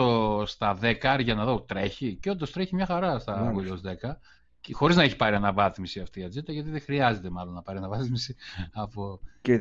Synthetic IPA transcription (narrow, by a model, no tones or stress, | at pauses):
ost̪ɐðe̞kɐɾʝɐnɐðo̞t̪ɾe̞çiceo̞nd̪ost̪ɾeçimɲɐxɐɾɐst̪ɐɣoʎːzðe̞kɐ | xo̞ɾiznɐeçi̥pɐɾiɐnɐvɐθmisiɐft̪iːɐd͡zit̪ɐʝɐt̪iðexɾiɐzet̪e̞mɐlo̞nːɐpɐɾiɐnɐvɐθmisiɐpo